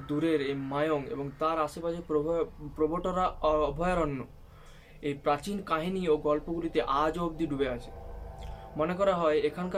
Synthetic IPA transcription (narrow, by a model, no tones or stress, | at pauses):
d̪uɾeɾejmajoŋḛboŋt̪aɾaʃepaʃʰepɾopɾoboʈoɾaɔbʱɔjaɾɔnːo | ejpɾat͡ɕinkaɦinioɡɔlpoɡulit̪eʔad͡ʑobd̪iɖubeat͡ɕʰe̥ | monekɔɾaɦɔeekʰanka